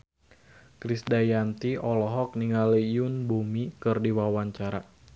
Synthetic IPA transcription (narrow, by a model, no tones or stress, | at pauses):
kɾisdajant̪iɔlɔɦɔk̚niŋalijunbumikɨrdiwawaɲt͡ʃaɾa